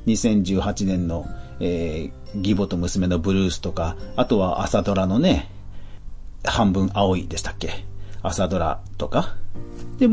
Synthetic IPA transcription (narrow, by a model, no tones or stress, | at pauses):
ɲ̟isẽ̞ɲ̟d͡ʑɨːhat͡ɕinẽ̞nːo̞eː | ɡʲibo̞t̪o̞mɯ̟sɨme̞no̞bɯ̟ɾɯːsɨ̥t̪o̞kaat̪o̞βaʔa̰sad̪o̞ɾano̞ne̞ | hãmbɯ̟̃ɰ̃ao̞id̪e̞ɕi̥t̪ḁkːe̞asad̪o̞ɾa̰t̪o̞ka | d̪̥e̞